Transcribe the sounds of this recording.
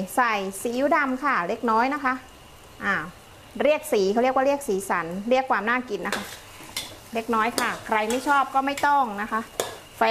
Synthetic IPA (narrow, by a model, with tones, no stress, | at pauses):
sa˨˩jsiː˨˦u˦˥˦da˧mkʰa˥˩ɾe˦˧˥k̚nɔː˦˥jna˦˥kʰa˦˥ʔ | ʔaː˧˩ | ɾi˥˩ək̚siː˩˦kʰa˧˩ɾi˥˩ək̚wa˥˩ɾi˥˩ək̚siː˩˦sa̰˩˦nɾi˥˩əkʰːwaː˧mnaː˥˩ki˧˩nːa˦˥kʰa˦˥ʔ | le˦˥˩k̚nɔː˦˥jkʰa˥˩kʰɾa˧jma˥˩jt͡ɕʰɔː˥˩p̚kɔː˥˩ma˥˩jt̪ɔ˥˩ŋna˦˥kʰa˦˥ʔ | fɛ˧